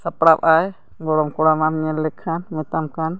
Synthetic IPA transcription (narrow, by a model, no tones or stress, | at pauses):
sapɽap̚aj | ɡɔɽɔmkɔɽamamiɛlɛkʰːanmit̪amkan